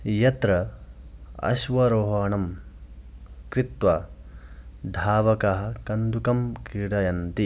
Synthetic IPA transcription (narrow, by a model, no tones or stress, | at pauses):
jɐt̪ɾɐ | ɐ̰ʃʋɐɾoːɦɐːnɐm | kɾit̪ʋɐ | d̪ʱaːʋɐkɐɦɐ̆kɐnd̪ukɐmkiɽɐjɐnt̪i